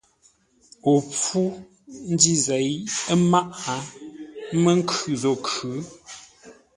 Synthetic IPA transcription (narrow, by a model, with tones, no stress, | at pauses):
o˨p͡fu˦ | n̩˦di˦ze˨˦jə˦ma˦ʔa˨˦ | mə˦ŋ̩˦kʉ˨zo˨kʉ˨˦